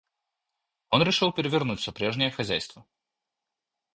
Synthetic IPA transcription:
onɾʲɪʂɨlˠpʲɪɾʲɪvʲɪrnutʲsəpɾʲeʐnʲɪjəxɐzʲæjst̪və

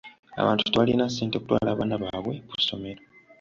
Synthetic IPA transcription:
a̰βaːntu̥teβalinasːeːntekutwa̰ːlaːβaːnaβaːβwe̞kuso̞me̞ɾo

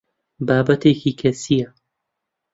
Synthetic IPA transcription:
baːbɐt̪ʰeːkiːkʰɐsijɐ

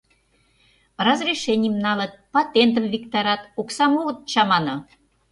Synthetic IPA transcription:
rɑzrʲiʃenʲiəmnɑlə̆t̪̚pɑt̪ʲent̪ə̆mvʲikt̪ɑɾɑt̪uksɑmuɣə̆t̪̚t͡ɕɑmɑnŏ

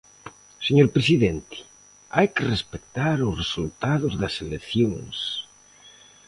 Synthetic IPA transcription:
seɲoɾpɾesiðent̪i̥ | ajkerespekt̪aɾʊsresult̪aðʊzðɐseleθjoŋs

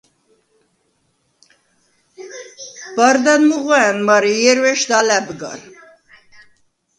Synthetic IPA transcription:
b̥ɑɾd̪ɛnmuʁwaɛnmɑɾijɛɾwɛʃd̪ɑlɛbɡɑ̰ɾ

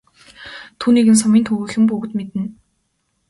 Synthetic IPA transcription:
t̪ʰuːniːɣɘ̆ns̬ɔmiːnt̪ʰɵɣɵːxɘ̆mpɵɣɘ̆t̪met̪ɘ̆n

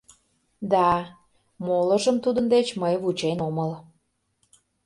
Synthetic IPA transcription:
d̪ɑ | moləʒəmt̪ud̪ənd̪et͡ɕməjβut͡ɕenoməl

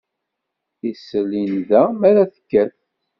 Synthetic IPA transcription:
isəlːinðæmæɾæθə̥kːæθ

